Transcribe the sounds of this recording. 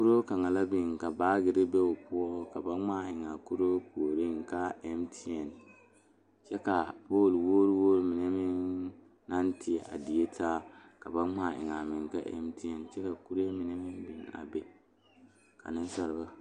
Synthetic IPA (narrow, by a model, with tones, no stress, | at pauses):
ku˦ɾo˦ka˨ŋa˨la˦bi˨ŋka˨baː˦ɡɪ˦ɾɪ˦be˦ʊ˨pʊ˦ɔ˦ka˨ba˦ŋ͡maː˦ɪ˨ŋa˨ku˦ɾo˦po˨ɾi˦ŋ˨ka˦ɛ˦mtʰi˦ɛ˨n | t͡ʃɛ˦ka˨poː˦˨lwoː˦ɾwoː˦ɾmi˨ne˦mɪ˦ŋ | na˦ntʰi˦ɛ˨ʔa̰˨di˨e˦tʰaː˦ka˨ba˦ŋ͡ma˦˨ʔɪ̰˨ŋa˨mɪ˨ŋka̰˦ʔɛ̰˦mti˦ɛ˨nt͡ʃɛ˦ka˨ku˦ɾe˦mɪ˨ne˦mɪ˦nbi˨ŋa̰˨bɛ˨ | ka̰˨nɪ˦n˦sa˦ɾba˦